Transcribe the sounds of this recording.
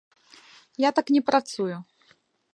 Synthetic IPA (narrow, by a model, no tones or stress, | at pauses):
jat̪aknʲɛpɾat̪sujʊ